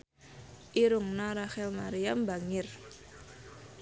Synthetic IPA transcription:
ʔiɾʊŋnaɾaxɛlmaɾijambaŋɪr

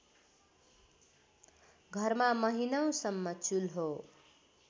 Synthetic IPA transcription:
ɡʱʌrmamʌɦinʌw̃sʌmːʌt͡sulɦo

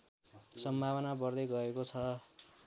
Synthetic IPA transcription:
sʌmbʱawʌnabʌrd̪ʌjɡʌɾekot͡sʰʌ

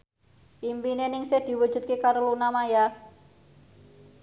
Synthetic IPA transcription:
ʔimpinenɪŋsehd̪̥i̤wud̥ʒ̥ṳt̪̚kekaɾlunamaja

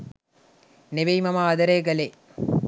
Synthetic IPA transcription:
neʋejmɐmaːd̪ɐɾeːɡɐle

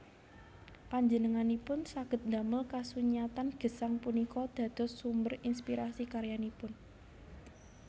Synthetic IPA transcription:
paɲd͡ʒənəŋanipʊnsaɡ̥ət̪̚nd̪a̤məlkasuɲiat̪anɡ̥ə̤saŋpunikɔd̪̥ä̤d̪̥ɔ̤sːumbərinspiɾasikaɾjanipʊn

